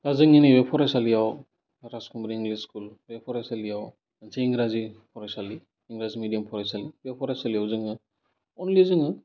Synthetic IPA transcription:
tazɯŋiniwepʰɔɾajsalijaw | ɾaskumbɾiŋɡliskulwepʰɔɾajsalijaw | anseiŋɡɾazipʰɔɾajsaliː | ŋɡɾazimidijampʰɔɾajsaliwepʰɔɾajsalijawzɯŋɯ | ɔnlizɯŋɯ

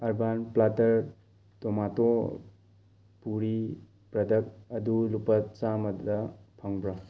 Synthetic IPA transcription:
ɐɾbanplatɐɾ | tɔmato | puɾi | pɾɐdɐk̚ɐdulupɐtt͡ʃamɐddɐpʰɐŋbɾa

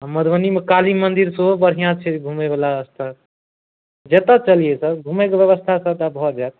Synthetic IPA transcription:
aməd̪ʋənimekalimənd̪iɾsoobəɽ̤ijãt͡ʃʰɛɡʱumebalaəst̪ʰə | d͡ʒet̪ət͡ʃəlijesəɾɡʱumekebjəβəst̪ʰasət̪abʱɔd͡ʒat̪̚

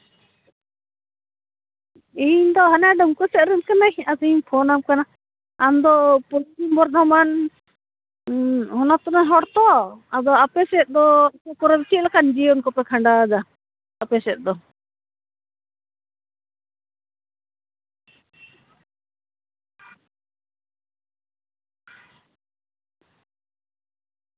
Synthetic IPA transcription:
iɲd̪ɔɦanaɖɔmkɔsɛʔ̪ɾəmkanajasiɲpʰɔnamkana | amd̪ɔpɔɾimbɔɾt̪ɔman | hɔnat̪unaɦɔɽt̪ɔad̪ɔapɛsɛt̪̚d̪ɔkɔkɔɾɔbit͡ʃʰit̪̚lakand͡ʒiɔnkɔpɛkʰaɳɖad͡ʒa | apɛsɛt̪̚ˀd̪ɔ

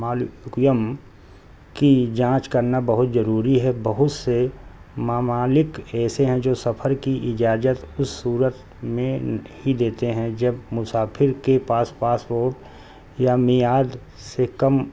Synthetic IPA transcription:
maːlkjəm | kid͡ʒãːt͡ʃkɐɾnabɐɦʊt̪zɐɾuːɾiɦɛbɐɦʊt̪semaːmaːlɪkɛːseɦɛ̃d͡ʒoːsɐpʰəɾkiʔɪd͡ʒaːd͡ʒət̪ʊsːuːɾət̪ | mẽhid̪eːt̪eɦɛ̃d͡ʒɐbmʊsaːpʰɪɾkepaːspaːspoːɾʈ | jamijaːd̪ | sekɐm

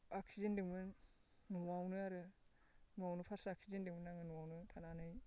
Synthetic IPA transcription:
aksizendɯŋbɯnː | uwawnɯaɾɯ | nuwawnɯpʰasɯaksizendɯŋmɯnaŋɯnuwawnɯtʰananɯj

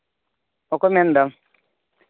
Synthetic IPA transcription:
ɔkɔmɛndam

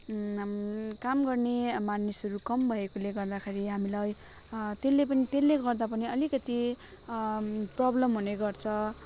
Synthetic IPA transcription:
kamɡʌrnemanːisʌɾukʌmbʱʌekoleɡʌrd̪akʰeɾiɦamilaj | t̪elːepʌnit̪elːeɡʌrd̪apʌniʌlikʌt̪i | prʌblʌmɦuneɡʌrt͡sʰʌ

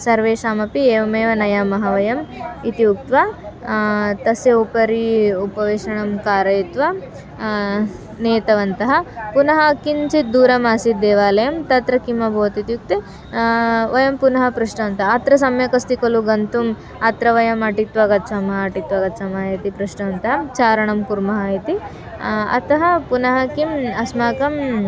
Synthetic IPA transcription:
sɐɾʋeːʃaːmɐpieːʋɐmeːʋɐnɐjaːmɐɦɐʋɐjɐmit̪iuk̚t̪ʋɐ | t̪ɐsjɐupɐɾiupɐʋeːʃɐɳɐmkaːɾɐjt̪ʋɐ | neːt̪ɐʋɐnt̪ɐɦɐpunɐɦɐkint͡ʃit̪̚d̪uːɾɐmaːsit̪̚d̪eːʋaːlɐjɐmt̪ɐt̪ɾɐkimɐbʱoːt̪it̪juk̚t̪e | ʋɐjɐmpunɐɦɐpɾɐʂɳɐʋɐnt̪ɐɦɐɐt̪ɾɐs̬ɐmjɐkɐst̪ikɐluɡɐnt̪um | ɐt̪ɾɐʋɐjɐmɐʈit̪ʋɐɡɐt̪sɐmɐːʈit̪ʋɐɡɐt̪sɐmaːjɐt̪ipɾɐʂɳɐʋɐnt̪ɐɦɐt͡ʃaːɾɐɳɐmkuɾmɐɦaːjit̪i | ɐ̰t̪ɐɦɐpunɐɦɐkimɐsmaːkɐm

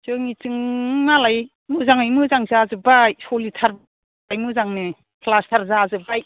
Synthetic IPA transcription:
zɯŋit͡ʃɯŋnalaj | mɯzaŋajmɯzaŋzazɯbajsɔlitʰaɾ | ajmɯzaŋne | pʰlastʰaɾzazɯbaj

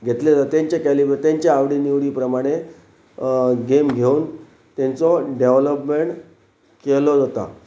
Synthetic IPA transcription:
ɡʱet̪led͡zat̪jãɲt͡ɕjakælibeɾt̪jaɲt͡ɕaaʋɽiːniʋɽiːpɾəmaɽ̃e | ɡemɡʱeuːn | t̪ent͡sɔɖeʋləpmeɳʈ | kelɔd͡zat̪a̰

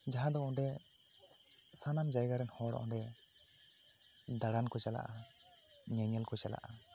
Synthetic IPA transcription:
d͡ʒaɦãd̪ɔʔɔɖɛ | sanamd͡ʒajɡaɾɛnhɔɽɔ̰ʔɔ̰ɖɛ | d̪aɽankɔt͡ʃala̰ʔa | ɲɛɲɛlkɔt͡ʃala̰ʔa

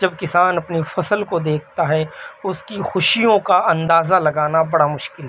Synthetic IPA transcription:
d͡ʒɐbkɪsaːnɐpnifɐsəlkod̪eːkʰt̪aɦɛʊskixʊʃijõkaɐ̃nd̪aːzalɐɡaːnabɐɽamʊʃkɪl

